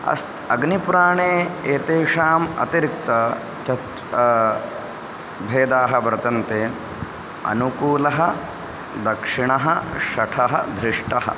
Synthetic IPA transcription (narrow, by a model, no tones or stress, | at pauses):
ɐ̰st̪ɐɡnipuɾaːɳeːeːt̪eːʂaːmɐ̰t̪iɾik̚t̪ɐ | t͡ʃɐt̪ | bʱeːd̪aːɦɐbɾɐt̪ɐnt̪eː | ɐ̰nukuːlɐɦɐ | d̪ɐkʂiɳɐɦɐʃɐʈʰɐɦɐd̪ɾiʂʈɐɦɐ̰